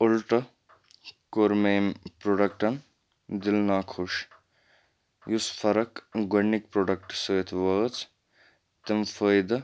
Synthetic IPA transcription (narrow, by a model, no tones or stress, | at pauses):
ulʈɐ | koːɾmeːmpɾoːɖɐk̚ʈɐn | d̪ilnaːkʰuʃ | jusfʰɐɾɐkɡɐnːik̚pɾoːɖɐk̚ʈsəːt̪ʰʋɐːt͡s | t̪imfəjd̪ɐ